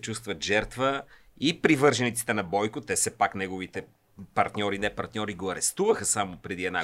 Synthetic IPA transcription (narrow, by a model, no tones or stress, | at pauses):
t͡ʃust̪vət̪ʒɛɾt̪vəipɾivɤɾʒɛnit̪si̥t̪ɛnɐbɔjkʊt̪ɛfsɛpaknɛɡovit̪ɛ | pɐɾt̪nʲɔɾinɛpɐɾt̪nʲɔɾiɡoɐɾɛst̪uvəxəsamopɾɛd̪iɛd̪na̰